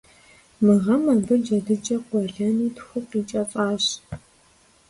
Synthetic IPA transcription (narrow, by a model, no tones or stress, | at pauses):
mɨʁɐmaːbɨd͡ʒɐdɨt͡ʃʼɐqʷɔɮɐniːtxʷʊqiːt͡ʃʼɐt͡sʼaːɕ